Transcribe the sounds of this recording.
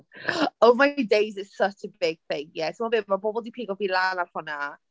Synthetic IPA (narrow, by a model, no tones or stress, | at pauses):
oʊmaɪdeɪzɪzsʌt͡ʃəbɪɡ̥̚θɪ̃ŋjɛtʰəmɔbɪmabɔːbɔlˠdipʰiːɡɔlˠvilˠaːnarfʊna